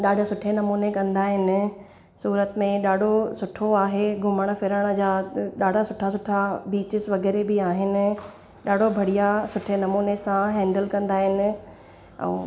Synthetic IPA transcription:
ɗaːɖʱosʊʈʰenɐmuːnekɐ̃nd̪aːɦɪnɪ̆ | suːɾət̪mẽɗaːɖʱosʊʈʰoaːɦeɡʱʊməɽ̃ə̆fɪɾəɽ̃ə̆d͡ʑaːɗaːɖʱasʊʈʰasʊʈʰabiːt͡ɕɪsʋɐɣɛːɾebɪaːɦɪnɪ̆ | ɗaːɖʱobʱɐɽijasʊʈʰenɐmuːnesãɦɛ̃ːɳɖəlkɐ̃nd̪aːɦɪnɪ̆ | ɛ̰̃ː

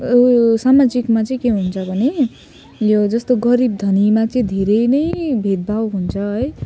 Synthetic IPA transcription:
samad͡zikmat͡sʌĩkeɦunt͡sʰʌbʱʌne | jod͡zʌst̪oɡʌɾib̚d̪ʱʌnimat͡sʌĩd̪ʱeɾenʌjbʱet̪̚bʱawɦunt͡sʰʌɦʌj

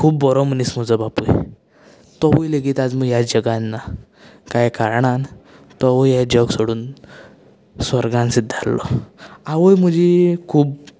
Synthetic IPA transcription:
kʰuːbːɔɾɔm̤əniːsm̤əd͡zɔbapuj | t̪ɔʋujleɡit̪ad͡zməːɡjad͡ʑəɡanːa | kajkaɾɳan | t̪ɔʋəjjad͡ʑəɡsoɽuːn | səɾɡãnsid̪ʱːalːɔ̰aʋəjm̤əd͡ʑikʰuːb

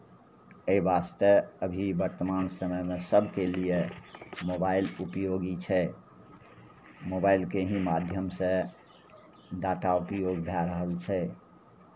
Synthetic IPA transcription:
əibast̪əəbʱibəɾt̪əmansəməjmesəbʱkeliemobailupjoɡit͡ʃʰɛ | mobailkeɦĩmad̪ʱjəmsẽ | ɖaʈaupijoɡbʱɛɾəɦəlt͡ʃʰɛ

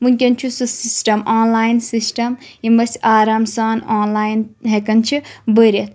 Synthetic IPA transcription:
munk̬ʲɐnt͡ʃʰusɨsisʈɐmaːnlaːjnsisʈɐmimɐsʲaːɾaːmsaːnaːnlaːjinɦekɐnt͡ʃʰibəɾʲɐt̪ʰ

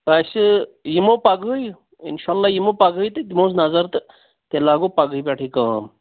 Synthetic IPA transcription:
ɐsɨjimoːpɐɡəj | ḭnʃaːlːaːjimoːpaɡəjt̪ɨd̪imoːsnɐzɐɾt̪ɨ | t̪elaːɡoːpaɡəibʲeːʈʰiːkaːm

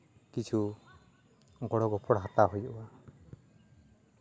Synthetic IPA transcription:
kit͡ʃʰu | ɡɔɽɔɡɔpʰɔɽɦat̪aɦojɔba

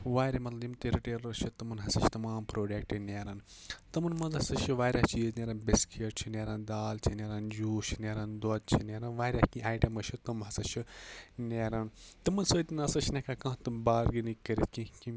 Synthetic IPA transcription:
ʋaːɾimɐt̪lɐjimt̪ɨɾiʈeːɾɐɾʃʰit̪ɐmɐnɦɐsɐt͡ʃʰt̪ɐmaːmpɾoːɖekʈinʲeːɾɐn | t̪ɐmɐnmɐnzɦɐsɐt͡ʃʰiʋaːɾʲjat͡ʃiːzneːɾɐnbʲeskʰeːʈ̚t͡ʃʰineːɾɐnd̪aːlt͡ʃʰinʲeːɾɐnd͡ʒuːʃʰineːɾɐnd̪ot̪̚t͡ʃʰinʲeːɾɐnʋaːɾʲahkĩʔaːjʈɐmɐʃʰit̪ɐmɦɐsɐt͡ʃʰinʲeːɾɐnt̪ɨmɐnsəːt̪ʲinɐsɐt͡ʃʰnʲekakãːt̪ɨbaːɾɡinikːɐɾit̪̚kĩki

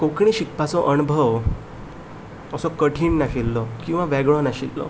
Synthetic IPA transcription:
kokɳiɕikpat͡sɔʔənubʱəʋ | əsɔkəʈʰiːɳnaɕilːɔkĩw̃ʋãʋɛɡɭɔnaɕilːɔ̰

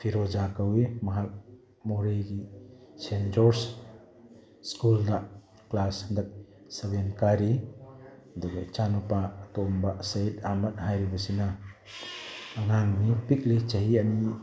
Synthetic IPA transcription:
pʰiɾɔd͡ʒakawemɐɦak̚ | moɾeɡisend͡ʒɔɾs | skulda | klasndɐk̚ | sɐbenkaɾi | ɐduɡɐt͡ʃanɔpatɔmbasajt̚amɐt̚hajɾibɐsina | ŋaŋmipik̚let͡ʃɐɦiɐni

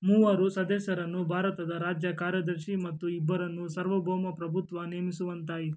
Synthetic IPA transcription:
muʋɐɾusɐd̪esɐɾɐnːubʱaːɾɐt̪ɐd̪ɐɾaːd͡ʒjɐkaːɾjɐd̪ɐɾʃimɐt̪ːuibːɐɾɐnːusɐɾʋɐbʱoːmɐpɾɐbʱut̪ʋɐnijɐmisuʋɐnt̪aːjit̪

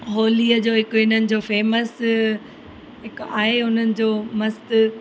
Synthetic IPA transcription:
ɦoːliːəd͡ʑoːɦɪkʊɪn̤ənɪ̆d͡ʑoːfeːməs | ɦɪkaːɦeʊn̤ənɪ̆d͡ʑoːmɐst̪

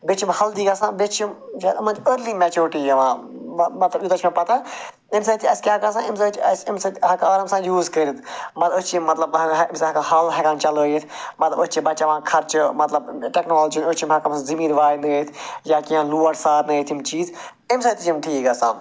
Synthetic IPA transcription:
bɪt͡ʃʰmhɐld̪iːɡɐsãːbɪt͡ʃimd͡ʒɐɐmnt͡ʃəːɾliːmeːt͡ʃuːɾʈiːɐʋãːmɐt̪lɐbjit̪ɐt͡ʃʰmẽpɐt̪aː | ɪmsɐt̪ʰiɐskʲaːkas̬ãːɪmsɐt͡ʃɐsɪmsɐt̪ɦɐkaːɾɐmsãːjuːzkəɾid̪mɐt̪lbʊt͡ʃːɐt̪lɐbɪmsɐkahɐlɦɐkãːnt͡ʃɐloːjit̪ʰmɐt̪lɐbʊt͡ʃibɐt͡ʃːʋãːkʰɐɾt͡ʃmɐt̪lɐbʈeːknoːlːd͡ʒinʊt͡ʃimɦɐkɐmszimiːɾʋaːjnɐt̪ʰjaːkiãːluːɐʈsaːɾnɐt̪ʰimt͡ʃiːz | ɪmsɐt̪id͡ʒimʈʰiːkɐsãː

